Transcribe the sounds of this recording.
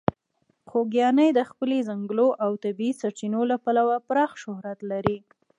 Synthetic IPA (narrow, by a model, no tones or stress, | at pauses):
xoɡjɑnəjd̪əxpəlezaŋɡloʔawt̪abiisaɾt͡ʃinolapalawapɾɑxʃʊhɾat̪laɾi